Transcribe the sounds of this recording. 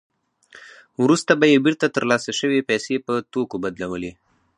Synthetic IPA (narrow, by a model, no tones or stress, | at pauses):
wɾust̪abajebɪɾt̪at̪əɾlɑsaʃəwepɛsepət̪okobad̪lawəle